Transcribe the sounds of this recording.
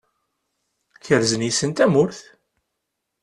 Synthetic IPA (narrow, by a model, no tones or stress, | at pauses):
çəɾzənjisənt̪æmʊɾθ